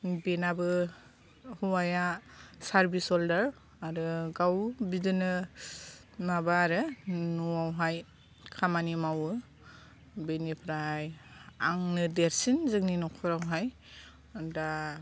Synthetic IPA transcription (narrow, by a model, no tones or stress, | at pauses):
benabɯ | huwajasaɾbisɔldaɾ | aɾɯɡawbidɯnɯ | nabaːɾɯnuawɦaj | kʰamanimawɯ | benipʰɾajaŋnɯdeɾsinzɯkninɔkʰɔɾawɦaj | da